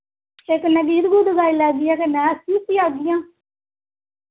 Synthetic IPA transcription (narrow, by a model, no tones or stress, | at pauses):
eknəɡiːɾɡuːd̪əɡaːiːlɛːd̪ɪːɛːkenɛ̃ːəsiːt̪iːaːɡ̪ɪjãː